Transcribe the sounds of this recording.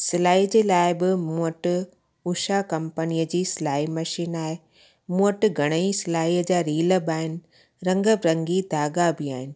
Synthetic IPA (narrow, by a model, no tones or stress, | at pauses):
sɪlaːiːəd͡ʑeːlaːɪbɪmuəʈɪ | ʊʃakɐ̃mpəniəd͡ʑiːsɪlaːimɐʃiːnaːɪ | muəʈɡʱɐɽ̃əisɪlaːiəd͡ʑaːɾiːləbaːɦɪnɪ̆ | ɾɐ̃ŋɡəbɾɐ̃ŋɡid̪ʱaːɡabɪaːɦɪnɪ̆